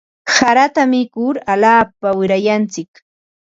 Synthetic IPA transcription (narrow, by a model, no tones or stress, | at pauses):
saɾat̪amɪkʊɾalaːpawɪɾajant͡sɪk